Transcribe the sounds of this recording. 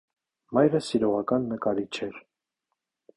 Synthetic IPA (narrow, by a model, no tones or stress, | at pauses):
mɑjɾəsiɾɔʁɑkɑnːəkɑɾit͡ʃʰɛɾ